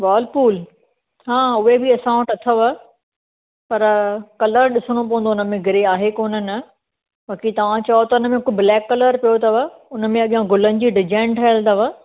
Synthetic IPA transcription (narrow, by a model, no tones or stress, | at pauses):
ʋaːlpuːl | ɦãːʊɦebiɐsãːʊ̃ʈɐt̪ʰəʋə | pɐɾkɐləɾɗɪsəɽ̃op̬ɐʋə̃nd̪oʊnəmẽɡʱɪɾeaːɦekoːnənɪ | baːkit̪ɐʋ̤ãt͡ɕɐot̪ɐʊnəmẽkʊblɛːkːɐləɾpijot̪ɐʋəʊnəmẽɐɠijãɡʊlənɪ̆d͡ʑiːɖɪd͡ʑãːɳʈʰɐəld̪əʋə